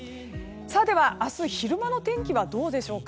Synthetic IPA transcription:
saːd̪e̞βaʔasɨçiɾɯ̟mano̞t̪ẽ̞ŋkʲiβad̪o̞ːd̪e̞ɕo̞ːka

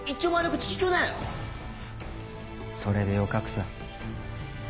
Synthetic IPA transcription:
it͡ɕːoːmaɾɯkɯt͡ɕi̥kʲi̥kʲoːnajo | so̞ɾe̞d̪ejokakɯ̟̥sa

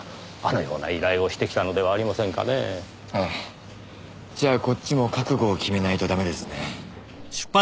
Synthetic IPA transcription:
a̰nojo̞̰ːna̰iɾaio̞ɕi̥t̪e̞kʲi̥t̪ano̞d̪e̞βaːɾʲimasẽ̞ŋka̰ne̞̰ | hai | d͡ʑaːko̞t͡ɕːimo̞kakɯ̟ɡo̞ːkʲime̞nait̪o̞d̪ame̞d̪e̞sɨne | ɕɨ̥pːa

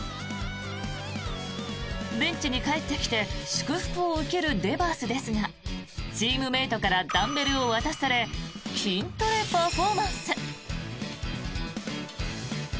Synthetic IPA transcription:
bẽ̞ɲ̟t͡ɕiɲ̟ikae̞t̪ːe̞kʲi̥t̪e̞ɕi̥kɯ̟ɸɯ̥kɯ̟oɯ̟ke̞ɾɯ̟d̪e̞baːsɨd̪e̞sɨŋa | t͡ɕiːmɯ̟me̞ːt̪o̞kaɾad̪ãmːe̞ɾɯ̟o̞βat̪aɕi̥saɾe̞kʲʰĩnt̪o̞ɾe̞paɸo̞ːmãɰ̃sɨ

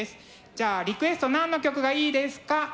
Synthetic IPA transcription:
esɨ̥ | d͡ʑaːɾʲikɯ̟e̞sɨ̥t̪o̞nãnːo̞kʲo̞kɯ̟ɡaiːd̪e̞sɨ̥ka

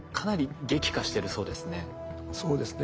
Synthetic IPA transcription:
kʰanaɾʲiɡe̞kʲi̥kaɕi̥t̪e̞ɾɯ̟so̞ːd̪e̞sɨne̞ | so̞ːd̪esɨn

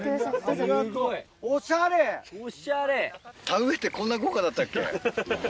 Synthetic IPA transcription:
oɕaɾeoɕaɾet̪ʰãɯ̃çi̥t̪ːekonːaɡokad̪at̪ːakʲːḛ

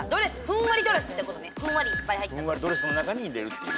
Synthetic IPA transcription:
d̪o̞ɾesɨ̥ɸɯ̟̃ɰ̃βaɾʲid̪o̞ɾesɨt̪ekot̪oneɸɯ̟̃ɰ̃βaɾʲipːajhait̪ːɯãβaɾid̪oɾesɨno̞nakaɲ̟iɾe̞ɾɯ̟t̪ːe

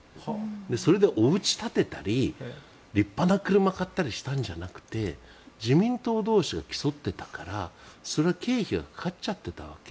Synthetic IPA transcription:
d̪eso̞ɾe̞d̪e̞ʔo̞ɯ̟t͡ɕi̥t̪at̪e̞t̪aɾʲi | ɾʲipːanakɯ̟ɾɯ̟makat̪ːaɾʲiɕi̥t̪ãɲ̟d͡ʑanakɯ̟̥t̪e̞ | d͡ʑimʲĩnt̪o̞ːd̪o̞ːɕiɡakʲi̥so̞t̪ːe̞t̪ḁkaɾaso̞ɾe̞βake̞ːçiɡa̰kkat͡ɕat̪ːe̞t̪aβ̞ake

